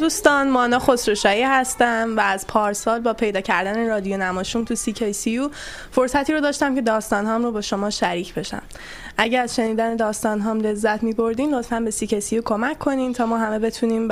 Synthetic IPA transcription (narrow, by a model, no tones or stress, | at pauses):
d̪uːst̪ɒːnmɒːnɒːxosɾoʃɒːiːhæst̪æmvæːzpʰɒːɾsɒːlbɒːpʰe̞jd̪ɒːcʰæɾd̪æneɾɒːd̪ijonæmɒːʃuːmt̪ʰusicʰejsiju | fo̞ɾsæt̪ʰiːɾod̪ɒːʃt̪æmce̞d̪ɒːst̪ɒːnɦɒːmrobɒːʃo̞mɒːʃæɾiːcʰbe̞ʃæ̰m | ʔæɟeæzʃe̞niːd̪æne̞d̪ɒːst̪ɒːnɦɒːmle̞zːæt̪ʰmiːbo̞ɾd̪iːmɾot̪fænbe̞sicʰejsijukʰo̞mæcʰːo̞niːmt̪ʰɒːmɒːɦæme̞be̞t̪ʰuniːm